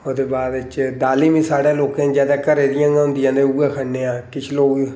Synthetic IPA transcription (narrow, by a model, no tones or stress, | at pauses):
oːd̪eːbaːd̪t͡ʃd̪aːliːmĩːsaːɽãːloːkẽːd͡ʒɛːd̪aːkəɾeːd̪ɪjãːɡãɦʊ̃nd̪ɪjãːneːuːeːkʰəneːãːkɪt͡ʃʰloːɡ